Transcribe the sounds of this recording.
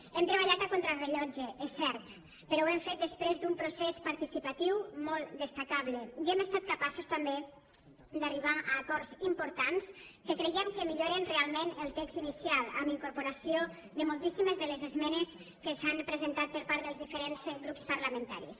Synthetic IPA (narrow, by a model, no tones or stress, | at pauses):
ɛmt̪ɾeβaʎat̪akont̪ɾalreʎɔd͡ʒeʔesːɛɾt̪ | pəɾɔwemfet̪̚d̪əspɾezd̪umpɾusespaɾt̪isipat̪iwmɔlˠt̪d̪əst̪akaβleiɛmest̪at̪̚kapasust̪ambe | d̪ariβ̞aaːkɔɾzimpuɾt̪anskəkɾejɛmkəmiʎoɾenrealˠmẽnəlˠt̪ɛkz̥t̪inisjalˠa̰miŋkuɾpuɾasjo | ðəmolˠt̪isimezðəlezezmɛnes | kəsampɾəzent̪at̪̚pəɾpaɾðəlˠzðifəɾenzɡɾupspaɾlamẽnt̪a̰ɾḭs